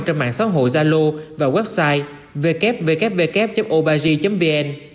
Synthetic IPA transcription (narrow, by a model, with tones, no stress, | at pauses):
t͡ɕə˧ma̰ː˧˨ŋsaː˨˦˥ɦo̰˧˨jzaː˧lo˧vaː˨˩wɛ˦˥p̚saː˧j | ve˧kɛ˦˥p̚ve˧kɛ˦˥p̚ve˧kɛ˦˥p̚t͡ɕə˨˦mʔo˧ɓaː˧zi˧t͡ɕə˨˦mve˧ʔɛ˧n